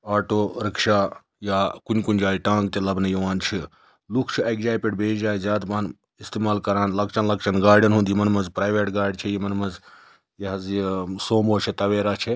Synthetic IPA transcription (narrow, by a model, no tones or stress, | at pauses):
aːʈoːɾɐkʃaː | jaːkunʲkunʲd͡ʒaːiʈãːŋɡ̚t̪elɐbnɐjiʋaːnt͡ʃʰi | lukʰt͡ʃʰiekzaːjpʲeɖbʱeːd͡ʒd͡ʒaːjzʲjaːd̪bɐn | ist̪eːmaːlkɐɾaːnlɐkt͡ʃɐnlɐkt͡ʃʰɐnɡaːɾɖʲɐnɦũnd̪jimɐnmɐnzpɾaːjʋeːʈɡaːɾɖʲt͡ʃʰejimɐnmɐz | jɐɦɐzisoːmoːt͡ʃʰit̪ɐʋeːɾaːt͡ʃʰe